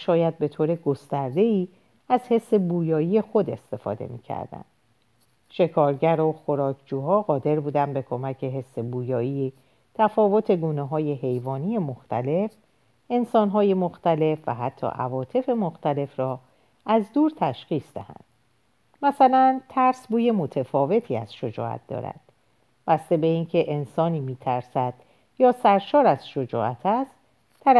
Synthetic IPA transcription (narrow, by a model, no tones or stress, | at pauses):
ʃɒːjæd̪̚be̞t̪ʰoːɾe̞ɡo̞st̪æɾd̪e̞iː | æz̥he̞sːe̞buːjɒːije̞xo̞d̪e̞st̪e̞fɒ̰ːd̪e̞̰mḭːcʰæ̰ɾd̪æ̰nd̪̥ | ʃe̞kʰɒːɾɟæɾoxoɾɒːkʰd͡ʒuːɦɒːɣɒːd̪e̞ɾbuːd̪ænd̪be̞kʰo̞mæcʰe̞ɦe̞sːe̞buːjɒːi | t̪ʰæfɒːvo̞t̪ʰe̞ɡuːneɦɒːje̞ɦe̞jvɒːnije̞mo̞xt̪æ̰le̞f | e̞nsɒːnɦɒːje̞mo̞xt̪æle̞fvæ̰ɦæt̪ʰːɒ̰ːʔæ̰vɒːt̪ʰe̞fe̞moxt̪æle̞frɒː | ʔæzd̪uːɾt̪ʰæʃχiːsd̪æhæ̰nd̪̥ | mæsælænt̪ʰæɾsbuːjemo̞t̪ʰefɒːve̞t̪ʰiːæz̥ʃo̞d͡ʒɒ̰ːʔæ̰t̪̚d̪ɒ̰ːɾæ̰d̪̥ | b̥æst̪e̞be̞incʰe̞ʔensɒːniːmiːt̪ʰæɾsæd̪̥ | jɒːsæɾʃɒːɾæz̥ʃo̞d͡ʒɒ̰ːʔæt̪ʰæst̪ | t̪ʰːæ